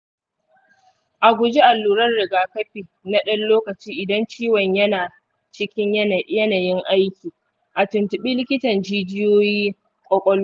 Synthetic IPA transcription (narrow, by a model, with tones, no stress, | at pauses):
ʔa˨ɡʷʊ˨d͡ʒi˦ʔa˨lːuː˨ɾɐ˦rɽɪ˨ɡaː˦kɐ˦ɸiː˨ | na˦ɗɐ˦nloː˦kɐ˨t͡ʃiː˦ʔɪ˨dɐ˦nt͡ʃiː˦wɐ˨ɲjɐ˦naː˨ | t͡ʃɪ˦kʲɪ˦ɲjɐ˦n˨jɐ˦na˨jɪ˦ŋʔa˦jkʲiː˨ | ʔa˨tʊ˨ntɪ˨ɓi˦lɪ˦kʲɪ˦tɐ˨nd͡ʒiː˦d͡ʒɪ˦joː˦jiː˦ | kʷʼɔ˦kʷʼɔ˦luː˦